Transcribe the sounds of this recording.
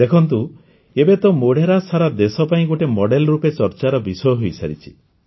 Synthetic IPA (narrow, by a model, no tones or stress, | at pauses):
d̪ekʰɔnt̪̬u | ebet̪ɔmoɽ̤ʱeɾasaɾad̪esɔpaĩɡoʈemɔɽelɔɾupet͡ʃɔɾt͡ʃaɾɔbisɔjɔɦojsa̰ɾit͡ʃʰi̥